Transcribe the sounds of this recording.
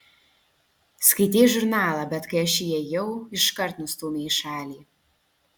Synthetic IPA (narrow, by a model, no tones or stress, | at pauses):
skɐɪt̪ʲeːjʒʊɾnɑːlˠɐbʲɛt̪kɐɪɐʃijɛjɛwɪʃkɐrt̪nʊst̪uːmʲeːiʃɑːlʲiː